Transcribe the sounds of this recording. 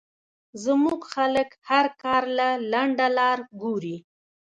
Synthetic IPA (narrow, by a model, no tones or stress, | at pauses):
zəmuɡxaləkhaɾkɑɾlalaɳɖalɑɾɡuɾi